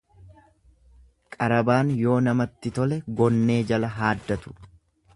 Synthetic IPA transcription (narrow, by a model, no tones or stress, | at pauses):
kʼɐɾɐbaːnjo̞ːnɐmɐt̪ːɪt̪ɔlɛɡɔnːe̞ːd͡ʒɐlɐɦaːd̪ːɐt̪ʊ̥